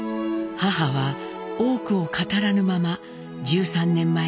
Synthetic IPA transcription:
haɦaβa | o̞ːkɯ̟o̞kat̪aɾanɯ̟mama | d͡ʑɨːsãnːẽ̞mːa

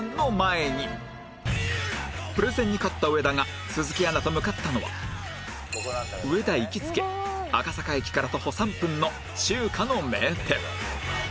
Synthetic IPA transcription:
nːomae̞ɲ̟i | pɯɾɯzẽ̞ɲ̟ːikat̪ːaɯ̟e̞d̪aŋa | sɨzɨkʲianat̪omɯ̟kat̪ːano̞βa̰ | ɯ̟e̞d̪aikʲit͡sɨ̥ke̞akasakaikʲi̥kaɾat̪o̞ho̞sãmpɯ̟̃nːo̞ | ɕɨːkʰano̞met̪e

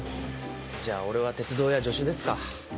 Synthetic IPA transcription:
d͡ʑaːo̞ɾe̞β̞at̪e̞t͡sɨd̪o̞ːjad͡ʑo̞ɕɨd̪e̞sɨ̥ka

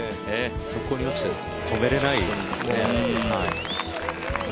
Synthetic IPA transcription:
eso̞ko̞ɲ̟iot͡ɕi̥t̪e | t̪ʰo̞me̞ɾe̞naisneai

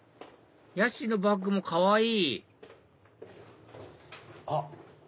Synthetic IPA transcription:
jaɕino̞bak̬ːɯ̟mo̞kʰaβaiː | a

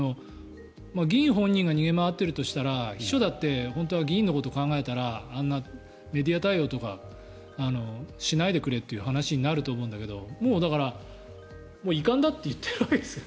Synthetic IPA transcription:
no̞ | maɡʲĩːɦõ̞ɲ̟ːĩŋɡaɲ̟iɡe̞maβat̪ːe̞ɾɯ̟t̪o̞ɕi̥t̪aɾaçi̥ɕo̞d̪at̪ːe̞hõ̞nt̪̬o̞βaɡʲĩːnːo̞ko̞t̪o̞kãŋɡae̞t̪aɾãːnːa | me̞d̪ʲiat̪aio̞ːt̪o̞ka | ano̞ɕinaid̪e̞kɯ̟ɾe̞t̪ːe̞jɯ̟ɦanaɕiɲ̟inaɾɯ̟t̪oːmoɯ̃nd̪ake̞d̪o̞moːd̪akaɾa | moːikãnd̪at̪ːe̞jɯ̟t̪ʰːeɾaiesɨ

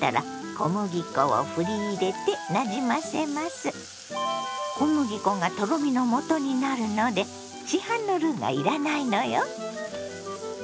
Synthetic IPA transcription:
t̪a̰ɾa̰kʰomɯ̟ɡʲikoo̰ɸɯ̟ɾʲiːɾe̞t̪e̞naʑimase̞masɨ | komɯ̟ɡʲikõ̞ŋɡat̪o̞ɡomʲino̞mo̞t̪o̞ɲ̟inaɾɯ̟no̞d̪e̞ | ɕihãnːo̞ɾɯ̟ːŋɡa̰iɾanaino̞jo

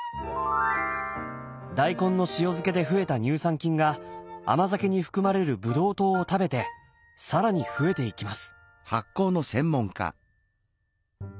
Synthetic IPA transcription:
d̪aikõ̞nːo̞ɕijo̞zɨke̞d̪e̞ɸɯ̟e̞t̪aɲ̟ɨːsãŋkʲĩŋɡaa̰mazake̞ɲ̟iɸɯ̟̥kɯ̟maɾe̞ɾɯ̟bɯ̟d̪o̞ːt̪o̞ːt̪abe̞t̪e̞ | saɾaɲ̟iɸɯ̟e̞t̪e̞ikʲimasɨ̥ | hakːo̞ːno̞sẽ̞mːõ̞ŋka̰

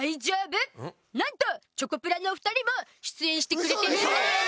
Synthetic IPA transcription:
aid͡ʑaːbɯ | nãnt̪o̞t͡ɕo̞kopɯɾanoɸɯ̥t̪aɾʲimo̞ɕi̥t͡sɨẽ̞ɰ̃ɕi̥t̪e̞kɯɾet̪eɾɯo

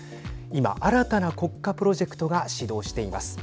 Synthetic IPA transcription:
ima̰ʔaɾat̪anako̞kːapɯ̟ɾo̞ʑe̞kɯ̥t̪o̞ɡaɕid̪o̞ːɕi̥t̪e̞ima̰sɨ̥

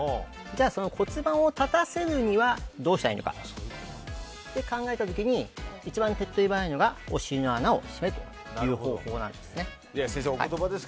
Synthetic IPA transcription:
d͡ʑaːso̞no̞kʰo̞t͡sɨbãɰ̃o̞t̪at̪ase̞ɾɯɲ̟iβad̪o̞ːɕi̥t̪aino̞ka̰ | d̪̥e̞kãŋɡae̞t̪at̪o̞kʲiɲ̟iit͡ɕibãnt̪e̞t̪ːo̞ibanaino̞ɡaoɕiinoanao̞̰ɕimet̪o̞ | jɯːho̞ːho̞ːnã̰nd̪e̞sɨne̞ | iasẽseoha̰t̪obad̪es

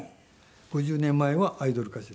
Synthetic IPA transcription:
ɡ̥o̞ʑɨːnẽ̞mːaeβaʔaid̪o̞ɾɯ̟kaɕi

